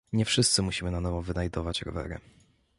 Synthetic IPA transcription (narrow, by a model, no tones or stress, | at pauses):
ɲɛfʂɘst̪sɘmuɕimɘnanɔvɔvɘnajd̪ɔvat͡ɕɾɔ̰vɛ̰ɾɘ̰